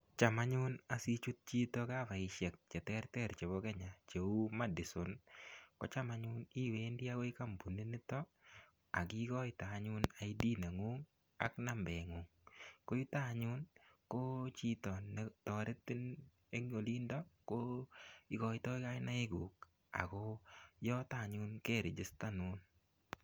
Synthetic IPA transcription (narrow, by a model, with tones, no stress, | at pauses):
t͡ʃa˨ma˦ɲʊ˦na˨si˦t͡ʃu˦t̚t͡ʃi˦tɔ˦ka˦va˨ɪ˨ʃɛ˨k̚t͡ʃɛ˨tɛ˦rtɛ˨ɾt͡ʃe˨βo˦kɛ˦ɲa˨t͡ʃe˨u˦ma˦dɪ˨sʊnko̰˦t͡ʃa˦ma˦ɲʊ˦ni˦we˦ndi˦a˦ko˦ɪ˦ka˦mbu˨ni˦ni˦tɔ˦ | a˨ki˦kɔ˦ɪta˨ɲʊ˦na˨i˦di˦ne˨ŋu˦ŋ | a̰˨˦kna˨mbɛ˨ŋʊ˨ŋ | ko˦ɪ˦ta˦˨ɲʊ˦nko˦t͡ʃi˦tɔ˨nːe˨tɔ˨ɾɪ˦tɪ˦n | e˦ŋo˨li˦ndɔ˦ko˦ɪ˦kɔ˨ɪ˦tɔ˦ɪ˦ka˦ɪ˦na˦ɪ˦ɡu˨k̚ | a̰˨kɔ˦jɔ˦ta˦˨ɲʊ˦nke˦˨ɾɪ˨d͡ʒɪ˦sta˦nʊ˦n